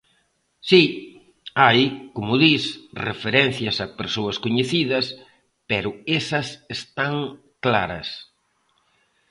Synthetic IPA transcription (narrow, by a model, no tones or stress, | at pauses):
si | ajkomʊðisrḛfeɾɛn̟θjɐsapeɾsoɐskoɲeθiðɐs | pɛɾʊesɐsest̪aŋ | klaɾɐs